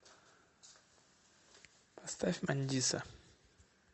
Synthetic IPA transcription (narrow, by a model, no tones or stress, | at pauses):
past̪afʲmanʲdisɐ̰